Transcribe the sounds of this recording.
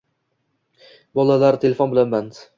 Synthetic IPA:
bɒlˠalaɾt̪ʰe̞lefonbɪlanband̪

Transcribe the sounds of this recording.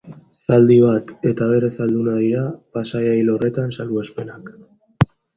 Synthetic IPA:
sald̪iβat̪e̞t̪aβ̞e̞ɾe̞sald̪unaðiɾapasajajlo̞re̞t̪ansaluaspe̞nak

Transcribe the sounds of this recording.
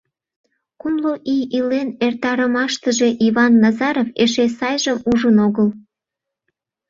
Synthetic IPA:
kumloʔijilenert̪ɑɾəmɑʃt̪əʒe̽ʔiβɑnːɑzɑɾofeʃesɑjʒəmuʒənoɣəl

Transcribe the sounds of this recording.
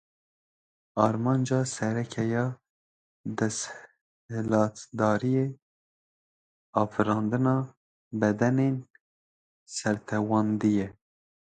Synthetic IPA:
ɑːɾmɑːnd͡ʒɑːsɛɾɛkʰɛjɑː | d̪ɛsh | lɑːt̪d̪ɑːɾijeː | ɑːfɨɾɑːnd̪ɨnɑː | bɛd̪ɛnen | sɛɾt̪ʰɛwɑːnd̪ijɛ

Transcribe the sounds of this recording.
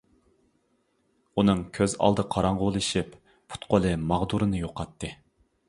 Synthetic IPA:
unɨŋkʲʰøzɑ̰lˠd̪ɨqʰɑɾɑɴʁʊlˠɨʃip | pʰu̥t̪qolˠɨmɑʁd̪uɾɨnɨjoqʰɑt̪ʰːɨ

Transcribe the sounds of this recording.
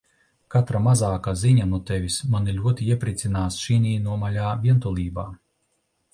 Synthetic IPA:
kat̪ɾamazaːkaziɲanuɔt̪ɛvʲismanilʲuɔt̪iiɛpɾit̪sʲinaːsʃinʲiːnuɔmalʲaːvʲiɛnt̪ulˠiːbaː

